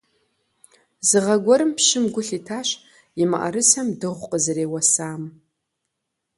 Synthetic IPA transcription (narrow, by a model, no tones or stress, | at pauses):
zɨʁɐɡʷɔɾɨmpʃɪmɡʷʊɬitʰaːʃ | ɪma̰ʔɐ̰ɾɨsɐmdɨʁʷqʼəzɨɾeːwɐsaːm